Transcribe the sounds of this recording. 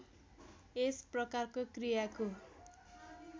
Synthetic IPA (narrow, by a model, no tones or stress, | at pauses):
esprʌkarkokrijako